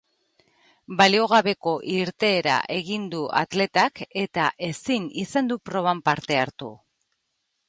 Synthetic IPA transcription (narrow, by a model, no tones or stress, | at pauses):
balio̞ɣ̞aβe̞ko̞ʔiɾt̪e̞ːɾa̰ʔe̞ɣind̪uʔa̰t̪le̞t̪ake̞t̪aʔe̞sinisand̪upɾo̞βampaɾt̪e̞aɾt̪ṵ